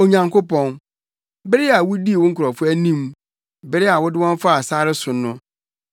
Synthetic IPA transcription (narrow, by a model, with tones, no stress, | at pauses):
o˨ɲã˨ŋkʰʊ˦pɔ̃˦n | bɛ˦ɾɪ˦a˨wʊ˦di˦e˨wʊ̃˦ŋ̩˦kʰʊ˨ɾɔ˨fʊ˦æ˦nĩ˦m | bɛ˦ɾɪ˦a˨wʊ˦dɪ˦wɔ̃˦ɱ˦fa˦a˨saː˦ɾɪ˦sʊ˨nʊ̃˦